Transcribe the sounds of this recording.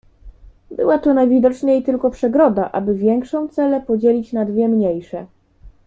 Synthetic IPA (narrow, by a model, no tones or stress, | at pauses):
bɘ̰wat̪ɔnajvʲid̪ɔt͡ʂɲejt̪ɘlkɔpʂɛɡɾɔd̪aʔa̰bɘvʲjɛŋkʂɔ̃w̃t̪sɛlɛpɔd͡ʑelʲit͡ɕnad̪vʲjɛmɲejʂɛ